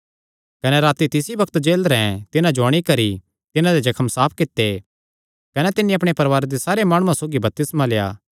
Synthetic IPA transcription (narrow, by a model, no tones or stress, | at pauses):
kɐneɾaːt̪it̪ɪsibɐkʰt̪d͡ʒeːlɾɛɛ̃t̪ɪnãd͡ʒoɐɽ̃ikɐɾi | t̪ɪnãd̪ed͡ʒɐkʰəmsaːp̚ʰkɪt̪ːe | kɐnet̪ɪnːĩɐpɽ̃epɐɾʋaːɾed̪esaːɾemaːɽ̃uãsoːɡibɐp̚t̪ɪsmaleːa̰ː